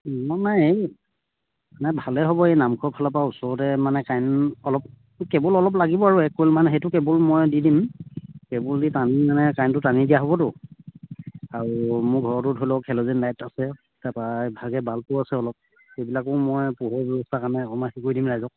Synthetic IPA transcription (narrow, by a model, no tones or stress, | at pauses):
nɔnaje | manɛbʱalɛɦobɔejnamkʰɔpʰalɔpaʊsɔɹtɛmanɛkajnɔlɔp̚ | kɛbɔlɔlɔp̬laɡibɔaɹuɛkːojlmanɛxejtʊkɛbɔlmɔjdidimkɛbɔlditanimanɛkajntʊtanidijaɦobɔtʊ | aɹumʊɡʱɔɹɔtʊdʱojlɔkʰɛlozinlajtasɛ | tapajbʱaɡɛbʱalpʊasɛɔlɔp̚ | xejbilakɔmɔjpuɦɔɹbɛbɔstʰakaɹnɛɔmaxikujdimɹajzɔk̚